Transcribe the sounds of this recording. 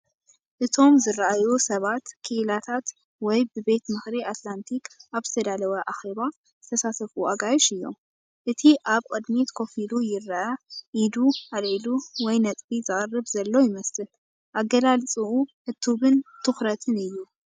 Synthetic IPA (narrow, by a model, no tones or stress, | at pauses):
ʔɨt̪ʰo̞mzɨrɐʔajusɐβat̪kʰɨʔɨlat̪ʰat̪ | wɔjbɨbe̞t̪mɨxɾiʔat̪lant̪ʰikaβzɨ̥t̪ʰɐd̪alɐwɐʔaxe̞βa | zɨt̪ʰɐsat̪ʰɐfuʔaɡajʃɨjːo̞̰m | ʔɨt̪ʰiʔaβkʼɨd̪mit̪kʰo̞filujɪrɐʔɐʔid̪uʔaliluwɔjnɐt̪ʼbizɨχʼɐrːɨβzɐlːo̞jɪmɐsɨl | ʔaɡːɐlalt͡sʼɨuhɨt̪ʰːuβɨnt̪ʰɨxɾɐt̪ʰɨnɨjːu